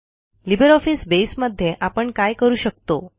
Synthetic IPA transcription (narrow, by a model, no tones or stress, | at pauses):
libəɾɔfisbesməd̪ʱːjeʔapəɳkajkəɾuːɕək̚t̪o